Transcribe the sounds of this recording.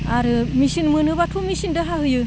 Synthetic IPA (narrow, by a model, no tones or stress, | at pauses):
aɾɯmisinmɯnɯβatʰumisindɯɦaɦɯjɯ